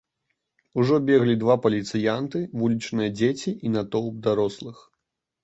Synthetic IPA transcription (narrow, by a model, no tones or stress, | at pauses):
uʐɔbʲeɣlʲid̪vapɐlʲit̪sɨjant̪ɨvulʲit͡ʂnɨjɐd͡zʲet͡sʲiʔinat̪ɔwb̚d̪aɾɔslˠɨx